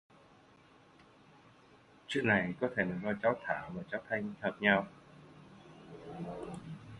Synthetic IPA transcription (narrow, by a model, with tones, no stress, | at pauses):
t͡ɕwḭ˧˨ənːa˨˩jkɔ˨˦t̪ʰe˧˩naː˨˩zɔ˧t͡ɕaː˨˦wt̪ʰaː˧˩maː˨˩t͡ɕaː˨˦wt̪ʰa˧jŋ̟t̪ʰəː˨˩p̚ɲa˧w